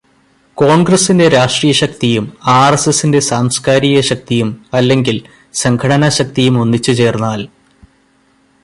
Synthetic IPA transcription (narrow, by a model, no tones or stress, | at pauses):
ko̞ːɳɡrɐsːinde̞ɾaːʂʈriːjɐɕɐk̚t̪ijumaːresesːinde̞saːmskaːɾiɣɐɕɐk̚t̪ijumɐlːe̞ŋɡil | sɐŋɡkʰɐɽɐnɐɕɐk̚t̪ijumonːit͡ɕːut͡ɕe̞ːrnːaːl